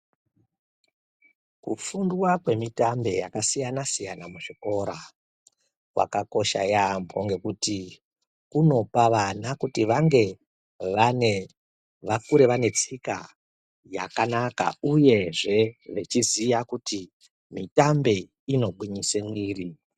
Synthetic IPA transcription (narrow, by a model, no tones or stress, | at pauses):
kufundwakwe̞mitambe̞jakasijanasijanamuʐiko̞ɾa | wa̰kako̞ʃa̰jamboŋɡe̞kuti | kuno̞paʋanakutiʋaŋɡe̞ | ʋane | ʋakuɾe̞ʋane̞t͡sika̰ | ja̰kanaka̰uje̞ʐe̞ʋet͡ʃizijakuti | mitambe̞ | ino̞ɡʱwiɲisemwiːri